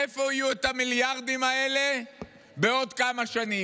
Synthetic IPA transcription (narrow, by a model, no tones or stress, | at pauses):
efo̞ijuet̪amiljaʁd̪imaele̞ | be̞o̞d̪kamaʃani